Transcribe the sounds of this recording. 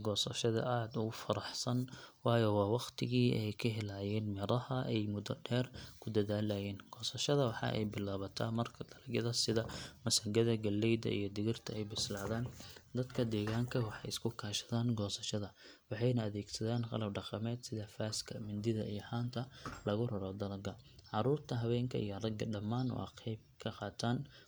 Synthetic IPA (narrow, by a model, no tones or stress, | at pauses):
ɡɔːsɐʃɐðɐ̰ʔaːd̪ʊɣʊfɐɾɑħsɐnwɑːjɔwɑːwɑqt̪ʰɪɣiːɛjkʰɐɦɛlajɛːnmɪɾɐhɐʔɛjmʊd̪ɔɖɛːrkʰʊd̪ɐðaːlɐjɛːnɡ̥ɔːsɐʃɐðɐwɑħɑ̰ʔɛ̰jbɪlaːβɐt̪ʰa̰ːmɐrkʰɐd̪̥ɐlɐɡɐðɐsɪðɐmɐsɐŋɡɐðɐɡɐlːɛjd̪ɐ̰ʔḭjɞd̪ɪɣɪrt̪ʰɐɛjbɪslaːðaːnd̪ɐd̪kʰɐd̪ɛːɣaːŋkʰɐwɑħɑjɪskʰʊkʰaːʃɐ̥ðaːnɡɔːsɐʃɐðɐ | wɑħɑjnɐːðɛːɡsɐðaːnqɑ̰lɐbɖɑqɑmɛːd̪sɪðɐfaːskʰɐmɪnd̪ɪðɐ̰ʔijɔħaːnt̪ʰɐlɐɣʊrɐɾɔd̪ɐlɐɡɐ | ʕɑɾuːrt̪ʰɐɦɐβɛːŋkʰɐ̰ʔijɔrɐɡɐɖɐmːaːnɔ̰ːɑ̰qijb̚kʰɐqɑːt̪ʰaːn